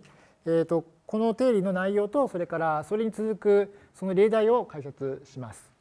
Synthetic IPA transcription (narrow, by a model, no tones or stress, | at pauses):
eːt̪o̞ | ko̞no̞t̪e̞ːɾʲino̞naijo̞ːt̪o̞so̞ɾe̞kaɾasoɾe̞ɲ̟it͡sɨzɨkɯ̟so̞no̞ɾʲe̞ːd̪aio̞kaisat͡sɨɕimasɨ̥